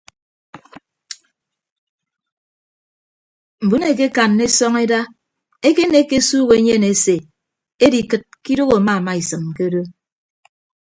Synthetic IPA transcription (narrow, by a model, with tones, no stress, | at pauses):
m̩˨bu˨˦ne˨k̬e˦ka˨nːe˦sɔ˦ŋe˦da˦ | e˦ke˦ne˦ke˦suː˦ɣe˨e˨˦ɲe˦˨ne˨˦se˨ | e˦di˨kɨ˨t̚ki˦do˦ɣo˨a˨ma˦˨ma˦i˨sɨ˨mke˦o˦do˦